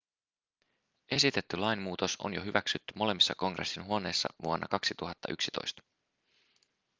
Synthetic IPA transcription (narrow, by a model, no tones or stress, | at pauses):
ʔe̞sit̪e̞t̪ːylɑjnmuːt̪oso̰njoɦyʋæksyt̪ːymo̞le̞mːisːɑko̞ŋɡre̞̰sːinɦuo̞ne̞ːsːɑ̰ʋuonːʔɑ̰kɑksit̪uɦɑt̪ːɑʔyksit̪o̞̰jst̪ɑ̥